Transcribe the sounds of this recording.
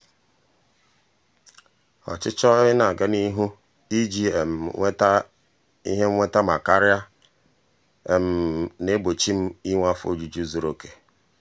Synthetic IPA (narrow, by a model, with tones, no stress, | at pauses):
ɔ̰˨t͡ʃɪ˦t͡ʃɔ˦ɪ˦na˨ɡa˦ni˦ɦu˦ | i˦d͡ʒi˦˨m̩˨˦ | i˦ɦe˦ŋʷe˦ta˦ma˨ka˦ɾɪ˦a˦˨ | m̩˨ne˦bo˨t͡ʃi˦m̩˦i˦ŋʷa˦fo̰˦˨d͡ʒu˨d͡ʒu˦zo˨ɾo˨ke̥˨